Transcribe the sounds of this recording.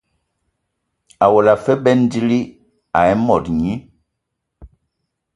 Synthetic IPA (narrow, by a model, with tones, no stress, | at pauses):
a˨wɔ˨la˨fɛ˦bɛ˦n˦di˦li˦ | a˨ɛ˦mɔ˨tɲi˦